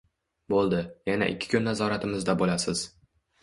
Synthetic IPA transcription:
bolˠd̪ɪjana̰ʔɪ̰kʲʰːɪ̥kʰʊnːazɒɾat̪ʰɪmɪzd̪abolasɪz̥

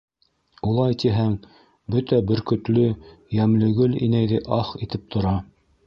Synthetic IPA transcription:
ulˠɑjt̪iɦæŋ | bɵt̪æbɵ̆ɾkɵ̆t̪lɵjæmlɘ̆ɡɵlḭnæjðɘʔɑχit̪ɘp̚t̪ʰŏɾɑ

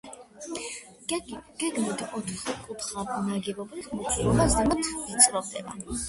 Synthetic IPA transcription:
ɡ̥ɛɡmɔd̪iʔɔt̪ʰχkʼut̪ʰχanaɡɛbɔbliχmut͡ʃʰʼuɾɔmazamat̪ʰit̪sʼɾɔʁd̪ɛ̰ba̰

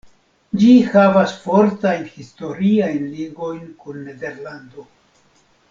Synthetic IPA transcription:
d͡ʒihavasfo̞ɾtajnhisto̞ɾiajnliɡo̞jnkunːe̞de̞ɾlando

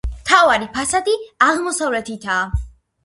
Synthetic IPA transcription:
mt̪ʰavaɾipʰasad̪iaʁmɔsavlɛt̪ʰit̪ʰaː

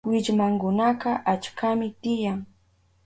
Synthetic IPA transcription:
wɪʎmaŋkʊnaqɑʔat͡ʃkʰamɪt̪ɪjaŋ

